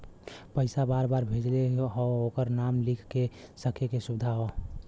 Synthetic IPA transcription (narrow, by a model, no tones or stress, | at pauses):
pəɪsabaɾbaɾbʱed͡ʒleɦɔ̃okəɾnamlikʰkesəkʰekesubd̪ʱaɦɔ